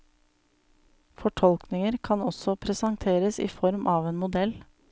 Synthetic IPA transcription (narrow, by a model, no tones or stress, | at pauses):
fɔʈʰɔlknɪŋəɾkʰɑnɔsɔpʰɾɛsɑŋt̪ʰeːɾəsḭːfɔɾmʔɑːʋeːnmʊd̪ɛl